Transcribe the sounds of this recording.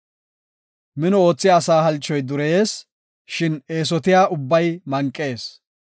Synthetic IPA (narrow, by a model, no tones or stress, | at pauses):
mɪnɔo̞ːt͡sːɪjːsaːɦɐlt͡ʃːɔjd̪ʊɾɛjeːs | ʃɪne̞ːs̬ɔt̪ɪjaːʔʊbːɐjmɐŋkʼːe̞ːs